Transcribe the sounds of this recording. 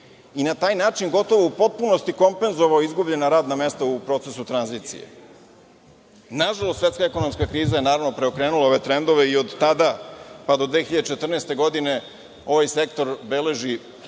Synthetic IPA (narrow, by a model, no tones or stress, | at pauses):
inat̪aːjnaːt͡ʃinɡo̞t̪o̞ʋo̞upo̞t̪̚punost̪iko̞mpe̞nzo̞ʋaoizɡubʎe̞naɾaːd̪name̞st̪aupɾo̞t̪sesut̪ɾanziːt̪sḭjḛ | naʒalˠost̪ːʋet̪kaeko̞no̞mskakɾiːzaje̞naːɾaʋnopɾe̞o̞kɾeːnulˠaoʋe̞t̪ɾend̪o̞ʋe̞iod̪ːad̪apad̪o̞d̪ʋe̞ːxiʎad̪et͡ʃet̪r̩neːst̪e̞ɡo̞d̪ine̞ | o̞ʋajse̞kt̪o̞ɾbe̞le̞ʒi